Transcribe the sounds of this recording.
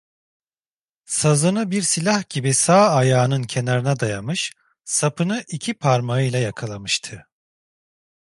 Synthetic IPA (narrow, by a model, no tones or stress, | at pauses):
sazɯnɯbiɾsilʲahɟ̥ibisaːajaːnɯncʰe̞naɾɯnad̪ajamɯʃ | sapʰɯnɯʔicʰipʰaɾmaɯjlʲˠajakʰalˠamɯʃt̪ʰɯ